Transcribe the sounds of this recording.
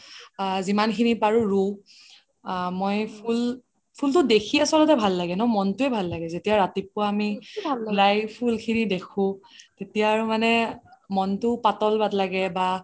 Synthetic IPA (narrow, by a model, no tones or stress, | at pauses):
zimankʰinipaɹuɹu | mojpʰul | pʰultʊdekʰiasɔlɔtɛbʱalːaɡɛnɔmɔntʊɛbʱalːaɡɛzetijaɹatip̚ʊaːmillajbpːulkʰinidekʰʊ̃tetijaːɹʊmanɛmɔntʊpatɔlbatlaɡɛba